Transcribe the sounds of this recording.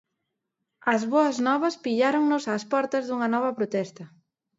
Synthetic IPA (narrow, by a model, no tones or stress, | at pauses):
ɐzβoɐznɔβɐspiʎaɾoŋnʊsaːspɔɾt̪ɐzðuŋɐnɔβɐpɾot̪ɛst̪ɐ